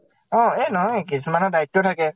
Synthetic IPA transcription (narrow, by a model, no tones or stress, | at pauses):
ɔ̃enɔ̃ekismanɔ̃d̪aiʈːoʈʰake